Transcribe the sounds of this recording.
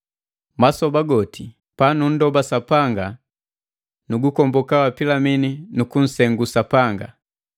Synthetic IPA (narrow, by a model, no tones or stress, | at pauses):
masɔbaɡɔtʰi | panun̩dɔbasapaŋɡa | nuɡukɔmbɔkawapilamininukun̩sɛŋɡusapaŋɡa̰